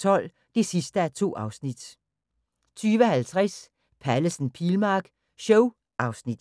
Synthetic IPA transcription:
t͡sʰɒ̽l̰ | d̥esisd̥əæɐt͡sʰo̝̰ːʔɑ̈ʊsnid̥ | t͡sʰyːʋəhælt͡sʰʁas | pʰæləsn̩pʰilmɑ̈ːɡ̥ | ɕɔʊ | ʔɑ̈ʊsnid̥

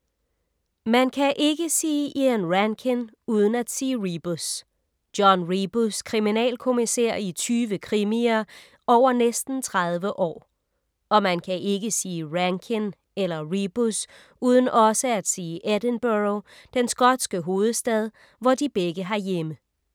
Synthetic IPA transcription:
mænkʰæʔe̝ɡ̥əsiːʔiænʁæŋkʰen | uːð̞ˠn̩æd̥siːʁib̥os | d̥jɒnʁib̥uskʰʁiminɛ̰ːlkʰo̝miseɐ̰it͡sʰyːʋəkʰʁimiɐ | ʔɒʊ̰ɐnesd̥n̩t͡sʰʁað̞ˠʋəʔɒ̰ː | ɒ̽mænkʰæʔe̝ɡəsiːʁæŋkʰen | elɐʁib̥us | uːð̞ˠən̩ʔɒ̽səæd̥siːʔed̥ənb̥øʁod̥ensɡ̥ɒ̽d̥sɡ̥əɦo̝ːð̞̩ˠsd̥ɛð̞ˠ | ʋɒd̥ib̥eɡ̥əɦɑ̈jemə

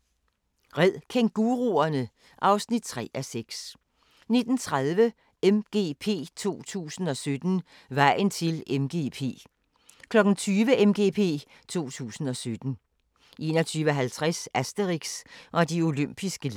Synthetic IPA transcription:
ʁɛð̰ˠkʰeŋ̚ɡ̥uʁuɐnə | ʔɑ̈ʊsnid̥̚t͡sʰʁɛ̰ːʔæseɡ̥s | ne̝d̥n̩t͡sʰʁaðˠʋə | emɡ̥e̝̰pʰe̝̰ːt͡sʰo̝̰ːt͡sʰṵːsn̩ɒ̽sød̥n̩ | ʋɑ̈ɪ̰n̩t͡sʰe̝lemɡ̥e̝̰ːpʰe̝̰ː | kʰlɒ̽ɡ̥n̩t͡sʰyːʋəʔemɡ̥e̝ːpʰe̝̰ː | t͡sʰo̝̰ːt͡sʰṵːsn̩ɒ̽sød̥n̩ | ʔe̝̰nɒt͡sʰyːʋəɒɦælt͡sʰʁasæsd̥əʁiɡ̥sʔɒ̽dio̝løm̰b̥isɡ̥ə

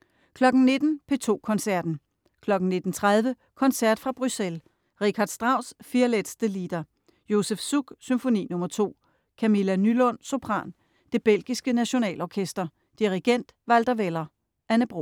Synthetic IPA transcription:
kʰlɒ̽ɡ̥n̩ne̝d̥n̩pʰe̝t͡sʰo̝̰ːkʰɒ̽nsæɐd̥n̩ | kʰlɒ̽ɡ̥n̩ne̝d̥n̩t͡sʰʁað̞ˠʋə | kʰɒ̽nsæɐd̥fʁɑ̈b̥ʁysel | ʁikʰhɑ̈d̥sd̥ʁɑ̈ʊ̰sfiɐled̥sd̥əlid̥ɐ | jo̝sefsuɡ̥symfo̝nḭːnɔ̽mɐt͡sʰo̝̰ː | kʰæmilænylɔ̽n̰so̝pʰʁɑ̰̈ːn | d̥e̝b̥el̰ɡ̥isɡ̥ənæɕo̝nɛ̰ːlɒkʰesd̥ɐ | d̥iʁiɡ̥en̰d̥ʋæld̥ɐʋelɐ | ʔænəb̥ʁo̝

